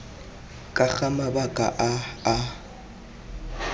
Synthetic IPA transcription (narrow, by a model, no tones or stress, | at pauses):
kʼak͡xamabakʼa̰ʔaa